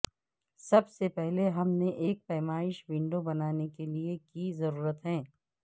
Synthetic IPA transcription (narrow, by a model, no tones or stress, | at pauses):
sɐbsepɛɦleɦɐmneʔeːk̚pɛːmaːɪʃʋɪ̃ɳɖobɐnaːnekeliekizɐɾuːɾət̪ɦɛ̃ː